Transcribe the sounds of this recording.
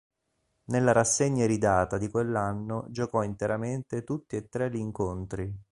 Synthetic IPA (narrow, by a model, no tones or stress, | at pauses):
nelːaɾasːeɲːaɾid̪aːt̪ad̪ikwelːanːod͡ʒokɔint̪eɾament̪et̪ut̪ːiet̪ːɾeliːŋkont̪ɾi